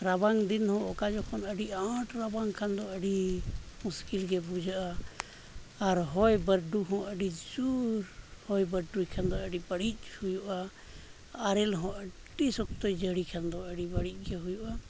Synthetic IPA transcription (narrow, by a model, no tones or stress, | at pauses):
ɾabaŋd̪inhɔ̃ɔkad͡ʒɔkʰɔnəɖiãʈɾabaŋkʰand̪ɔəɖimuskilɡɛbud͡ʒaʔa | ɾɦɔjbəɾɖuɦɔ̃ʔəɖid͡ʒuɾhɔjbəɾɖujkʰand̪ɔəɖibəɽic̚ˀhujuʔaː | ɾɛlɦɔ̃ʔəʈːisɔk̚t̪ojd͡ʒəɽikʰand̪ɔəɖibəɽic̚ˀɡɛɦujuʔa